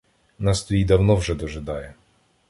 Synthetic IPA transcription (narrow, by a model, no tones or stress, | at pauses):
nɑst̪ɔjid̪ɐwnɔwʒɛd̪ɔʒɪd̪ɑjɛ